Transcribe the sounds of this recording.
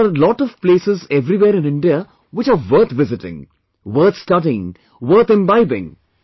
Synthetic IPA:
ɾlɔːʈɔʋpleːsɪzɛʋɾiʋeːɾɪ̃nɪ̃ɳɖiə | ʋɪt͡ʃaʋəːɾt̪ʰʋɪzɪʈɪ̰̃ŋ | ʋəɾt̪sʈʌɖiɪ̃ŋ | ʋəɾt̪ɪ̃nbaɪbɪ̰̃ŋ

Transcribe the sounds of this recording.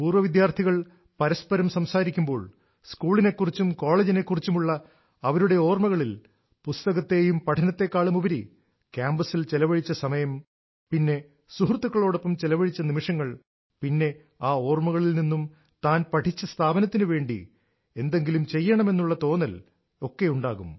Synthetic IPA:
puːrʋɐʋid̪jaːrt̪ʰiɣɐɭ | pɐɾɐspɐɾɐmsɐmsaːɾikʲːumbo̞ːɭ | skuːɭine̞kːurit͡ɕːumko̞ːɭeːd͡ʑine̞kːurit͡ɕːumuɭːɐ | ɐʋɐɾuɽe̞o̞ːrmɐɣɐɭil | pust̪ɐɣɐt̪ːe̞ːjumpɐʈʰɐnɐt̪ːe̞kːaːɭumuʋɐɾḭ | kʲjaːmbɐsilt͡ɕelɐʋɐɻit͡ɕːɐsɐmɐjɐm | pinːe̞ | suɦrut̪ːukːɐɭo̞ːɽopːɐmt͡ɕelɐʋɐɻit͡ɕːɐnimiʂɐŋːɐɭ | pinːe̞ | aːo̞ːrmɐɣɐɭilninːum | t̪aːnpɐʈʰit͡ɕːɐst̪ʰaːbɐnɐt̪ːinɨʋe̞ːɳɖḭ | e̞nd̪e̞ŋɡilumt͡ɕe̞jːɐɳɐme̞nːuɭːɐt̪o̞ːnɐl | o̞kːe̞uɳɖaːɣum

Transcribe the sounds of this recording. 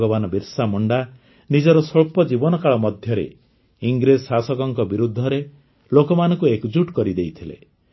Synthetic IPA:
ɡɔbanɔbiɾsamɔɳɖa | nid͡ʒɔɾɔsɔɭpɔd͡ʒibɔnɔkaɭɔmɔd̪ʱjɔɾḛ | iŋɡɾesasɔkɔŋkɔbiɾud̪ʱːɔɾe | lokɔmanɔŋkuekd͡ʒuʈkɔɾid̪ejt̪ʰilḛ

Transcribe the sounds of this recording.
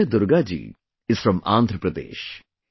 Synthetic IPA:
əd̪ʊɾɡaːd͡ʒḭː | ɪz̥fɾɐ̃mʔã̰ːnd̪ʱɾəpɾəd̪ḛːʃ

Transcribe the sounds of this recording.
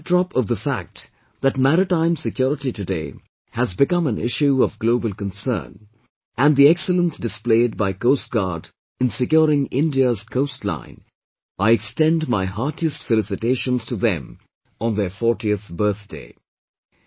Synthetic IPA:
dɹɔpʌvðəfæ̰k̚t | ðɨt̚mæɾɨʈãɪ̃msɨkjɔɾɪtitɨdḛɪ | hæzbɨkʌ̃mə̃nɪ̰ʃuɔvɡloʊbəl̩ˠkə̃nsɜ̰̃ːn | ʔæ̃nðiɛksələ̃nsdɨspleɪd̚baɪkoʊst̚ɡ̥ɑ̰d | ɨ̃nsɨkjɔɾɪ̃ŋɪ̃ndiəz̥kʰoʊstˡlã̰ɪ̃n | ʔaɪɨkstɛ̃ndmaɪhɑɹtiəstfəlɪsɨteɪʃə̃nz̥tʰɨðɛ̰̃m | ə̃nðəfɔɹʈiəθbɜ˞θd̥ḛɪ

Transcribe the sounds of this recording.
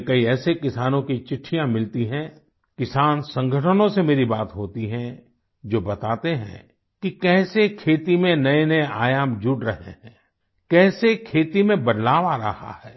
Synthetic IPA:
kɐiɛːsekɪsaːnõkit͡ʃɪʈʰijãmɪlt̪iɦɛ̃ | kɪsaːnsɐ̃ŋɡʱəʈʰənõsemeːɾibaːt̪ɦoːt̪iɦɛ̃ | d͡ʒoːbɐt̪aːt̪eɦɛ̰̃ | kikɛːɦsekʰeːt̪imẽnɐenɐeaːjaːmd͡ʒuɽɾɐɦḛɦɛ̃ː | kɛːsekʰeːt̪imẽbɐd̪laːʋaɾɐ̰ha̰hɛː

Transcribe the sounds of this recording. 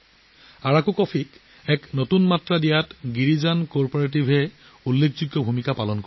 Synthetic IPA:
aɹakukɔpʰik | ɛknotunmatɹadijatɡiɹizankɔɹpɔɹet̬ibʱɦɛ | ulːekʰzuɡjɔbʱumikapalɔnkɔ

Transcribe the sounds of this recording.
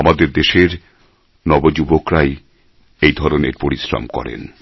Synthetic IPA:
amad̪eɾd̪eʃeɾ | nɔbod͡ʑubokɾaj | ejd̪ʱɔɾonḛɾpoɾisɾa̰mkɔ̰ɾḛn

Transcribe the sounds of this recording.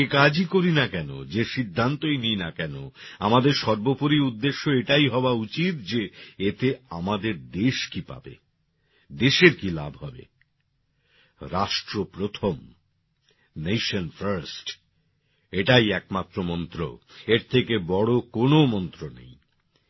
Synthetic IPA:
ekad͡ʑikoɾinakɛno̰d͡ʑeʃid̪ʱːant̪oenijnakɛnoamad̪eɾʃɔɾbopoɾiud̪ːeʃːoeʈajɦɔoaut͡ɕit̪d͡ʑeet̪eamad̪eɾd̪eʃkipa̰bḛ | d̪eʃeɾkila̰bʱɦɔbḛ | ɾaʃʈɾopɾot̪ʰom | neʃonfaɾsʈ | eʈajɛk̚mat̪ːɾomɔnt̪ɾo̰eɾt̪ʰekebɔɽokonomɔnt̪ɾonḛj

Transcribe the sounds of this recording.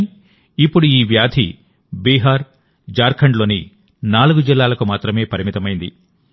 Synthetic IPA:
ipːuɽuiːʋjaːd̪ʱḭ | biːɦaːɾ | d͡ʒaːɾkʰɐɳɖlo̞ːni | naːluɡud͡ʒilːaːlɐkumaːt̪ɾɐme̞ːpɐɾimit̪ɐmɐjind̪ḭ

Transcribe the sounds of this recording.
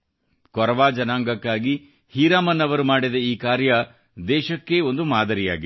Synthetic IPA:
kɔɾɐʋaːd͡ʒɐnaːŋɡɐkːaːɡi | hiːɾaːmɐnːɐʋɐɾumaːɽid̪ɐiːkaːɾjɐ | d̪ɛːʃɐkːe̞o̞nd̪umaːd̪ɐɾija̰ːɡi

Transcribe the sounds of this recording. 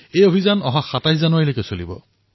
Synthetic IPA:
ejobʱizanɔɦaxatajszanuwailojkɛsolibɔ̰

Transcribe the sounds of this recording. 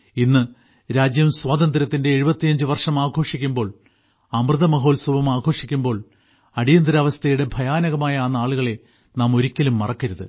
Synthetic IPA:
inːɨ | ɾaːd͡ʑjɐmswaːd̪ɐnd̪ɾɐt̪ːindeːɻubɐt̪ːijɐɲd͡ʑɨʋɐrʂɐmaːɡʱo̞ːʂikʲːumbo̞ːɭ | ɐmrɨðɐmɐɦo̞ːlsubɐmaːɡʱo̞ːʂikʲːumbo̞ːɭ | ɐɽijɐnd̪ɾaːʋɐst̪ʰɐjuɽe̞bʱɐjaːnɐɣɐmaːjɐaːnːaːɭuɣɐɭe̞ | naːmo̞ɾikʲːɐlumːɐrɐkːɐɾuðɨ̰

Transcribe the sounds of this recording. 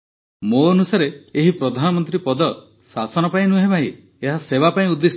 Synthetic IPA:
moːnusaɾeːɦipɾɔd̪ʱanɔmɔnt̪ɾipɔd̪ɔ | sasɔnɔpaĩnuɦebaḭ̃ | eɦasebapaĩud̪ːes

